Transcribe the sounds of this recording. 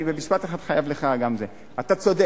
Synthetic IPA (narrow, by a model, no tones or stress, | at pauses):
ibemiʃbat̪eχad̪χajavleχaɡamze | at̪at͡sode